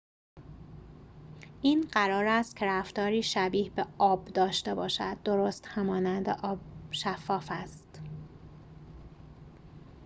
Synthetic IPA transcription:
ʔiːnɢæɾɒːɾæst̪̚kcʰeɾæft̪ɒːɾiːʃæbiːhbeɒːbd̪ɒːʃt̪e̞bɒːʃæ̰d̪̚ːo̞ɾost̪hæmɒːnænd̪eʔɒːb̚ʃæfːɒːfæst̪

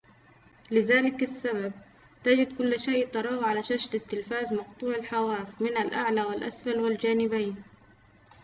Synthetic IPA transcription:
lɪðaːlɪkasːabab̚ | t̪ad͡ʒɪd̪kʊlːʃeːjʔt̪ɑɾˤɑːwʕalaʃaʃd̪at̪ːɪlfaːzmɑqt̪ˤuːʕɪlħawaːfmɪnalʔaʕlaːwɪlʔa̰sfalwɪld͡ʒaːnɪbajn

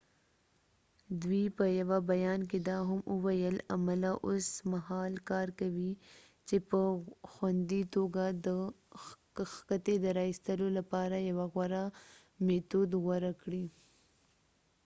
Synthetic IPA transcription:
d̪wipəjawabajɑnk̬ed̪ɑɦaməwajəlamalaʔosmahɑlkɑɾkawi | t͡ʃepəxwand̪it̪oɡad̪ə | xkat̪ed̪əɾɑist̪əlolapɑɾajawaɣwaɾa | met̪ud̪ɣwaɾakɽi

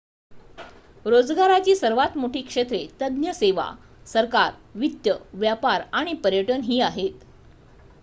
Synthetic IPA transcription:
ɾod͡zɡaɾat͡ɕiːsəɾʋat̪moʈʰiːkʂet̪ɾet̪əd̪njəseʋa̰ | səɾkaɾʋit̪jəʋjapaɾaɽ̃ipəɾjəʈənɦiːaɦet̪

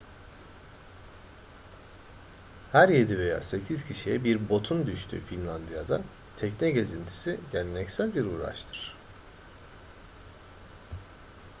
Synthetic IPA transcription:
hæɾje̞d̪ive̞ja̰ːse̞cʰiz̥cʰiʃijɛbiɾbo̞t̪ʰund̪yʃt̪ʰy̰ːfinlʲˠand̪ijad̪a | t̪ʰɛcnɛɟe̞zint̪ʰi̥siɟelʲinɛcsælʲbiɾuːɾa̰ʃt̪ʰɯ̥ɾ̥

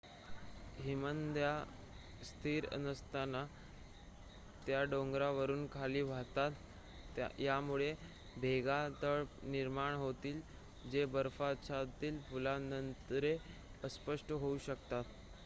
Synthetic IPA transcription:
ɦimənd̪ja | st̪ʰiːɾə̰nəst̪ana | t̪jaɖoŋɡɾaʋəɾuːnkʰaliːʋʱat̪at̪ | jamuɭe | bʱeɡat̪əɭniɾmaɳɦot̪iːl | d͡ʑebəɾfat͡ɕʰat̪iːlpulanənt̪ɾeəspəʂʈəɦouɕəkt̪at̪

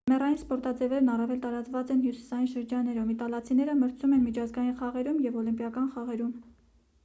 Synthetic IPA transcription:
mɛrɑjinspɔɾt̪ɑd͡zɛvɛɾnɑrɑvɛlt̪ɑɾɑt͡svɑt͡sɛnhjusi̥sɑjinʃəɾd͡ʒɑnːɛɾɔvit̪ɑlɑt͡sʰinɛɾəməɾt͡sʰumɛnmit͡ʃʰɑzɡɑjinχɑʁɛɾumjɛvɔlimpjɑkɑnχɑʁɛɾum

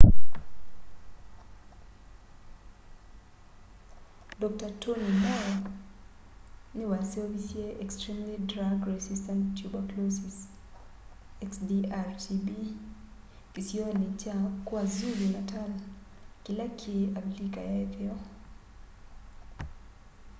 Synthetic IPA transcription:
dɔk̚tatʰonimaɔ | niwansɛvisjieʔɛkstɾimlidɾaɡɹɛsistantːjubaklosis | ɛksdiaɾtʰibi | kisionit͡ʃakwazuɾinatal | kilakʰiablika̰jaɛtɛɔ

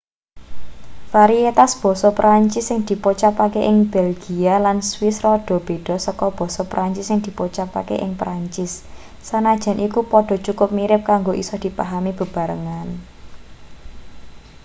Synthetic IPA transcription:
faɾiet̪asb̥ɔ̤sɔpɾʔaɲt͡ʃɪsːɪŋd̪̥i̤pot͡ʃapakeʔɪŋb̥elɡ̥ialanswɪsrɔɖ̥ɔ̤b̥e̤ɖ̥ɔ̤sɔkɔb̥ɔ̤sɔpɾʔaɲt͡ʃɪsːɪŋd̪̥i̤pot͡ʃapa̰kḛʔɪŋpɾaɲt͡ʃɪsː | anad̥ʒ̥a̤nʔikupɔɖ̥ɔ̤t͡ʃukʊp̚miɾɪp̚kaŋɡoʔisɔhd̪̥i̤paɦamib̥ə̤b̥a̤ɾəŋan

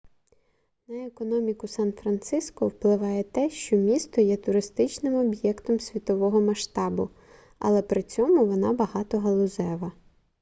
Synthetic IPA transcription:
nɐekɔnɔmʲikʊsɑnfɾɐnt̪sɪskɔwplˠɪʋɑjɛt̪ɛʃt͡ʃɔmʲist̪ɔjɛt̪ʊɾɪst̪ɪt͡ʃnɪmɔbjɛkt̪ɔmsʲʋʲit̪ɔʋɔɦɔmɐʃt̪ɑbʊ | ɐ̰lˠɛpɾɪt͡sʲɔmʊʋɔnɑbɐɦɑt̪ɔɦɐlˠʊzɛʋɐ

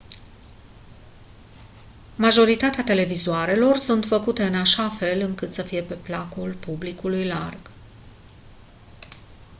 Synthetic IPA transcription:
maʒo̞ɾit̪at̪eat̪e̞le̞vizuaɾe̞lo̞rsunt̪fəkut̪e̞ɨnaʃafe̞lɨŋkɨt̪səfije̞pe̞plakulpublikulujlarɡ̥

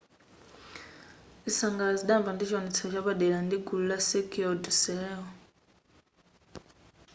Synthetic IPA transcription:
isaŋɡalaziɗaɱvandit͡ʃʰanit͡sʰɔt͡ʃʰaɓaɗɛɺandiɡululasɛkʰiɔdsɛɛɔ

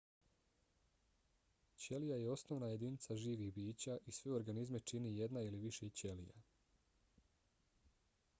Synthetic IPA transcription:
t͡ɕe̞lijaje̞o̞sno̞ʋnaje̞d̪init̪saʒiːʋixbiːt͡ɕaʔisʋeo̞ɾɡanizme̞t͡ʃinije̞d̪nailiʋiʃet͡ɕe̞lḭja̰

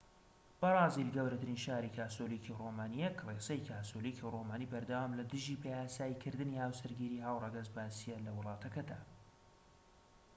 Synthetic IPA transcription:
b̥ɐrˤɑːzilɡɐwɾɐt̪ɨɾinʃaːɾikʰaːsolikʰiroːmaːnijɛkresɐjkʰaːsolikʰiroːmaːnibɐɾd̪ɐwaːmlɐd̪ɨʒiːpʰejaːsaːjikʰɨɾd̪ɨnihaːwsɨɾɡiːɾiːɦaːwrɑɡɐzbaːsijɛlɐwɨlˠɑːt̪ʰɐkɐd̪a̰ː

